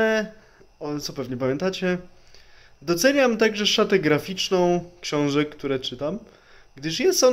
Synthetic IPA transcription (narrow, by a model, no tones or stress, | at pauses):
ɛ | ɔt̪sɔpɛvɲɛpamʲjɛnt̪at͡ɕɛ | d̪ɔt̪sɛɲamt̪aɡʐɛʂat̪ɛɡɾafʲit͡ʂnɔ̃w̃kɕɔ̃w̃ʐɛkːt̪uɾɛt͡ʂɘt̪am | ɡd̪ɘʂjɛst̪ɔ